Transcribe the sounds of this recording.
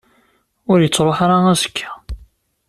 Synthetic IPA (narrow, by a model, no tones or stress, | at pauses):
ʊɾjət͡sːɾˤoħaɾaæsə̥kʰːæ̥